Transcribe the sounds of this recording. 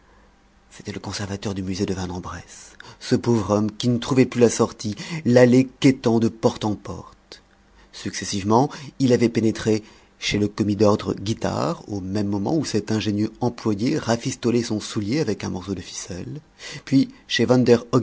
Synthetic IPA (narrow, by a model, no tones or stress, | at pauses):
se̥t̪ɛləkɔ̃sɛʁvat̪œʁd̪ymyzed̪əvɛ̃nɑ̃bʁɛssəpovʁɔmkʲinət̪χuvɛplylasɔʁt̪ilaleket̪ɑ̃d̪əpɔʁt̪ɑ̃pɔ̰ʁt̪ | syksesivmɑ̃ilavɛpenet̪χe | ʃeləkɔmid̪ɔʁd̪ʁəɡʲit̪a̰ʁomɛmːɔmɑ̰̃usɛt̪ɛ̃ʒenjøɑ̃plwajeʁafist̪ɔlɛsɔ̃suljeavɛkɛ̃mɔʁsod̪əfi̥sɛl | pɥiʃevɑ̃nd̪ɛʁɔ